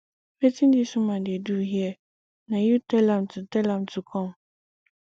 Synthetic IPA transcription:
pʰɛtʰĩndisʊ̃mãdɪɛduhiɛ | nãjutʰɛlãmtʰʊtʰɛlãmtʰʊkʰɔ̃m

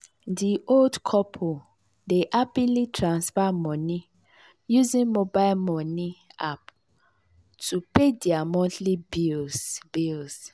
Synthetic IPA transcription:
diʔoldkʰɔpʰo | deʔapilitʰɾãnsfamɔ̃nɪ̃ | juzĩnmobalmɔ̃nɪ̃ap | tʰupediamɔ̃ntʰlibisbils

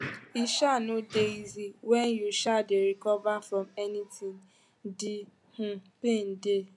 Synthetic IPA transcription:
iʃanũdeiziwɛnjuʃadeɾikɔvafɾɔ̃mɛnitĩŋ | di | hũpen̩de

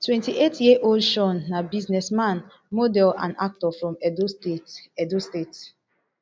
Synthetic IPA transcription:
twɛ̃ntiʔetjeʔolʃɔ̃nːabiznɛsmãn | modɛlã̰na̰k̚tɔfɹɔ̃mɛd | ɛdostet

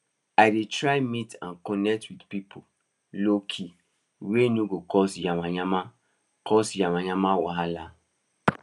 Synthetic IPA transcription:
aɪdetɾajmitã̰nkɔnɛk̚twidpipʰo | lokʰi | wenuɡokɔsjamaɲama | kɔsjamaɲamawɔ̰ɦala

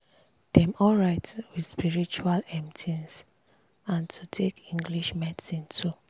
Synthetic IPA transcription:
d̥ɛ̃mɔlɹaɪtwidspiɹit͡ʃualɛ̃mtʰĩns | ãntʰutʰekĩŋɡliʃmɛdsĩntʰu

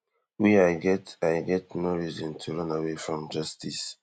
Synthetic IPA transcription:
wiajɡɛtajɡɛtnoɹizɔ̃ntʰuɹʌ̃nawefɹɔ̃md͡ʒastis

